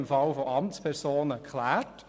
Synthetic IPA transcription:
ɪmfɑlfoɑmt͡spʰɛɾsoːnəkʰlæːt

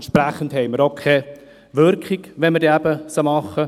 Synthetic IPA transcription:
ɛnʃpɾæχəndɦɛɪməɾokʰɛ | ʋʏɾkχiɡʋɛnməɾdeːæbəsomɑχːə

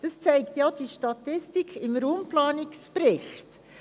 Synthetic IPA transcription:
d̥ɑst͡sæɪktjɑd̥iʃtɑt̪ɪstikʰɪmɾuːmplɑːnɪkspɾɪχt

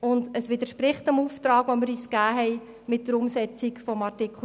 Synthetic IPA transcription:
ʊndəsʋɪd̪əʃpɾɪχtəmuft̪ɾɑːɡʋoməɾyːskæːɦɛj | mɪt̚dəɾʊmsɛt͡sikfɔmɑrtɪkʰl̩

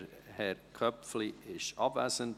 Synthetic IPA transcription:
hɛɾkʰœpfliɪʃɑbvæsənt

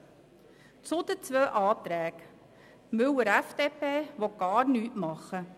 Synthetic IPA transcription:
t͡sʊd̪ət͡sʋøːʔɑːt̪ɾæːk | mɵwəɾɛfd̥̪eːpeːʋɔɡ̥ɑːɾnyːtmɑχːə

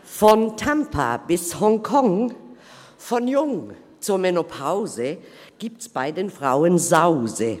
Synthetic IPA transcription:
fɔntʰampʰa̰bɪshɔŋkʰɔŋ | fɔnjʊŋ | t͡sʊɐmɛnopʰaʊzə | ɡ̥iːp̚tsb̥aɪdeːnfʁaʊənzaʊzə

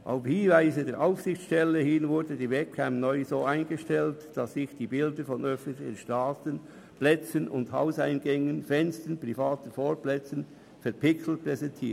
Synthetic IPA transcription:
ʔa̰ʊfhɪnvaɪzədeːɾʔaʊfsɪxt͡ssʃtɛlːəhɪnvʊɾdədiːvɛt̚kʰampnɔʏzoːaɪnɡəʃtɛltd̥ɑsːɪçd̥iːbɪldəfɔnœfən̩tlɪçən̩ʃtaːtən | plɛt͡sənʊ̰ndha̰ʊsaɪnɡɛŋənfɛnstənpʁ̥ifaːtəfoːɾplɛt͡sən | fɛɐɾpɪksl̩t̚pʁɛzɛntʰiː

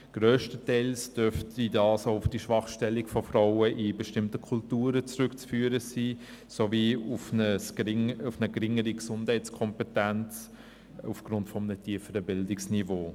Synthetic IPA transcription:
ɡ̥ɾøːʃtətɛɪlsd̥øftidɑːsoʊʊfd̥iʃvɑχʃtɛlːɪkfɔfɾɔʊəʔibeʃtɪmtəkʰultuːɾət͡sɾʏkt͡sfyːɾəsiː | soviːufnəsɪŋufnəɡɾɪŋəɾiɡsʊnd̥hɛɪt͡skʰɔmpetænt͡s | ufɡ̥ɾʊntfɔmənətʰiːfəɾəbɪldɪksnivoː

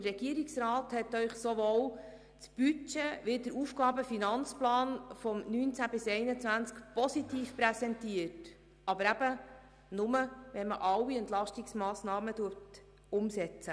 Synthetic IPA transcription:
tərːɛɡ̥iəɾiksɾɑːthɛt̪ːœʏχsoʋoːw | t͡sb̥yt͡ʃeʋɪdəɾuːfɡɑːbəfinɑnt͡splɑːnfɔmnyːnt͡sæb̥ɪsɛɪnət͡sʋænt͡skpɔsitiːfpɾɛsɛntiət | ɑbəɾæb̥ə | nʊməʋɛnməʔɑwiɛntlɑʃtɪksmɑːsnɑːmətuət | ʊmsɛt͡sə

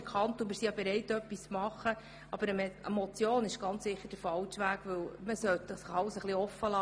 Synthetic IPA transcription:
kʰχɑnt̪ʊmɪɾsijɑbeɾɛɪtœpːist͡smɑχːə | ɑb̥əɾəmɛə̰mɔt͡sjoːnɪʃɡ̥ɑnt͡ssɪχːəɾd̥əfɑlt͡ʃʋæːɡ̥ʋɵwməsœt̪əsɑlsəχliɔfəlɑ

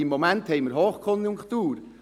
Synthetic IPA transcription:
imːomænthɛɪməɾɦoːχkʰɔnjuŋkt̪uːɾ

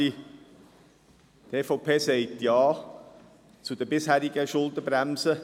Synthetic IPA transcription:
i | t̪eːfɔʊpʰeːsɛɪtjɑː | t͡sud̥̪əbɪshæːɾiɡəʃʊldəbɾæmsə

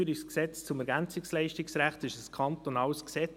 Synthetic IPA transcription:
yɾisksɛt͡st͡sʊmɛɾɡænt͡sɪkslɛɪʃtɪksɾæχtɪʃəskʰɑntonɑːlsksɛ

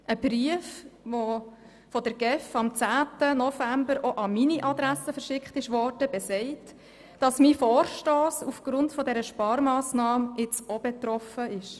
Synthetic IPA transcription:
ʔəb̥ɾyəfʋo | fɔdəɾɡɛfɑmt͡sæːtənɔfæmbəɾʔɔʔɑminiʔɑd̪ɾæsəfəɾʃɪkχtɪʃʋɔːrd̥əbɛsɛɪt | d̥ɑsmifoːɾʃtoːsufɡ̥ɾʊntfɔdɛɾəʃpɑːɾmɑːsnɑːmɪt͡sɔbɛt̪ɾɔfəɪʃ

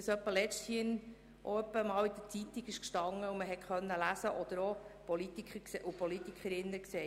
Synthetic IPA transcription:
ɑsœpːəlɛʃthiən | ʔɔœpːəmɑːwid̪ət͡sit̪ːiɡɪʃkʃtɑŋːəuməɦɛtχœnːəlæsəʔɔd̪əɾɔpɔlit̪ikχəkseʔupɔlit̪ikʰχəɾɪnːəksɛː

